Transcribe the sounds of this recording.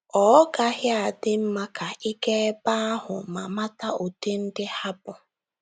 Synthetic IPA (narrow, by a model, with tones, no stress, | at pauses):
ɔ˨˦ɡa˦ɦɪ˦a˨dɪ˦m̩˦ma˦ka˨ʔi˦ke˦ba˦a˦ɦʊ̰˨ma˨ma˦ta˦o˨te˦n̩˦dɪ˦ha˦bʊ˨